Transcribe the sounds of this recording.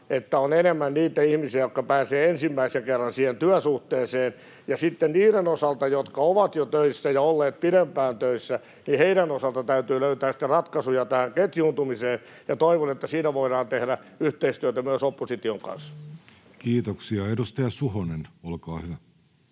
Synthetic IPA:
et̪ːæonenemːænniːt̪æihmisiæjokkɑpæːseːensimːæiseŋkerːɑnsiːhent̪yæsuht̪eːseːn | jɑsit̪ːenniːɾenosɑlt̪ɑjot̪kɑoʋɑt̪jot̪øisːæjɑolːeːt̪̚piɾempæːnt̪øisːæ | niheiɾænosɑlt̪ɑt̪æyt̪yːløyt̪æːsi̥t̪ːerɑt̪kɑsujɑt̪æhæŋket̪juːnt̪umiseːn | jɑt̪oiʋonet̪ːæsiːnæʋoiɾɑːnt̪ehɾæyht̪eist̪yøæt̪æmyæsopːosit̪ioŋkɑ̰ns | kiːt̪oksiɑedust̪ɑjɑsuhonenolkɑːhyʋæ

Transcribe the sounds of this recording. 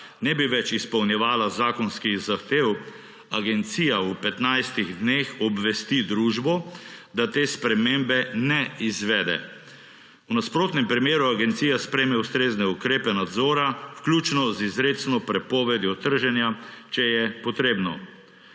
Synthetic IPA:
nɛbiʋɛt͡ʃispɔwnjɛʋaːlazaːkɔnskiɣzaxt̪ew | aɡɛnt̪siːjaupɛt̪najst̪iɣd̪nexɔbʋɛst̪id̪ɾuːʒbɔd̪at̪eːspɾɛmembɛnɛizʋɛd̪ɛ̰ | unaspɾoːt̪nɛmpɾimjeːɾuaɡɛnt̪siːjaspɾɛjmɛust̪ɾeːznɛukɾeːpɛnad̪zɔːɾawklʲjuːt͡ʃnɔzizɾet̪snɔpɾɛpɔːʋɛd̪jɔt̪əɾʒɛnjat͡ʃɛjɛpɔt̪ɾeːbnɔ

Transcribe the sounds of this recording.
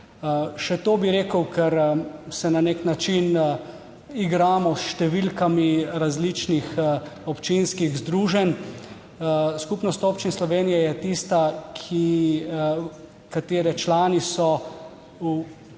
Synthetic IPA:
ʃɛt̪oːbiɾeːkəwkʰɛɾsɛnaneknat͡ʃin | iɡɾaːmɔsʃt̪ɛʋilkamiɾazlit͡ʃnixɔpt͡ʃinskiɣzd̪ɾuːʒɛn | skupnɔst̪oːpt͡ʃinslɔʋeːnijɛjɛt̪ist̪akʰi | kat̪eːɾɛt͡ʃlaːnisɔ | u

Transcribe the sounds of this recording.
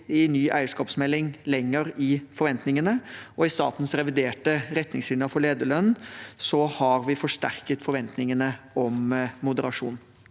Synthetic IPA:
ɪnyːʔæ̰ɪəʂkɑːpsmɛlːɪŋlɛŋːəɾɪfɔɾʋɛnt̪nɪŋənəɔɪst̪ɑ̰ːt̪n̩sɾɛʋɪd̪eːʈəɾɛt̪nɪŋslɪləfɔɭeːd̪əɭœnsɔhɑɾʋɪfɔʂʈæ̰ɾkət̪fɔɾʋɛnt̪nɪŋənəɔmmʊd̪əɾɑʂṵːn

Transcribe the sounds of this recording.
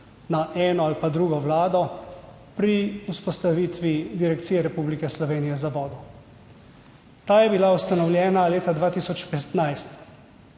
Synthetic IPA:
naʔɛːnɔalpad̪ɾuːɡɔʋlaːd̪ɔ | pɾiuspɔst̪aʋiːt̪ʋid̪iɾɛkt̪sijɛɾɛpublikɛslɔʋeːnijɛzabɔːd̪ɔ | t̪aːjɛbilaust̪anɔwljɛːnaleːt̪ad̪ʋaːt̪iːsɔt͡ʃpɛt̪najst̪

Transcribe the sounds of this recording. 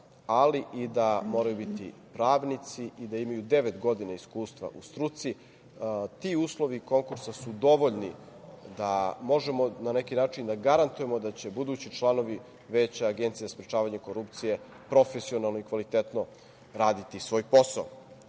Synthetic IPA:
aliʔid̪amo̞ːɾajubit̪ḭpɾaːʋnit̪siʔid̪aimajud̪e̞ʋe̞t̪ɡo̞d̪inaiskuːst̪ʋa̰ʔust̪ɾut̪si | t̪iuːslˠo̞ʋiko̞ŋkuɾsasud̪o̞ʋoʎni | d̪amo̞ʒe̞mo̞nane̞kinaːt͡ʃind̪aɡaɾant̪uje̞mo̞d̪at͡ɕe̞bud̪uːt͡ɕit͡ʃlˠano̞ʋi | ʋet͡ɕaaɡent̪siezaspɾet͡ʃaːʋaɲeko̞ɾup̚t̪sije̞ | pɾo̞fesionalˠnoikʋalit̪et̪no̞ | ɾaːd̪it̪isʋo̞ːjpo̞sao

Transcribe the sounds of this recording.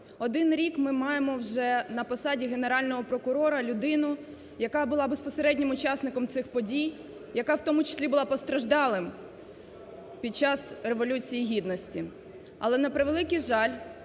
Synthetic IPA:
ɔd̪ɪnɾʲikmɪmɑjemɔwʒɛnɐpɔsɑdʲiɦeneɾɑlʲnɔɦɔpɾɔkʊɾɔɾɐlʲʊd̪ɪnʊ | jɐkɑbʊlˠɑbe̞spɔseɾɛdʲnʲɪmʊt͡ʃɑsnɪkɔmt̪sɪxpɔdʲij | jɐkɑwt̪ɔmʊt͡ʃɪ̥sʲlʲibʊlˠɑpɔst̪ɾɐʒd̪ɑlˠɪm | pʲid̪̚t͡ʃɑsre̞ʋɔlʲut͡sʲijiɦʲid̪nɔsʲtʲi | ɐ̰lˠɛnɐpɾɪʋelˠɪkɪjʒɑlʲ

